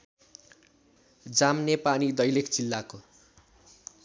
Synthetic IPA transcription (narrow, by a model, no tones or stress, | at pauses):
d͡zamnepanid̪ʌjlekt͡silːako